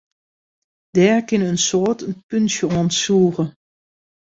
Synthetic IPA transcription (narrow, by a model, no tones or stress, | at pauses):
d̥ɛːɹkɪnənsoːtənpønsjəɔnsuːɣə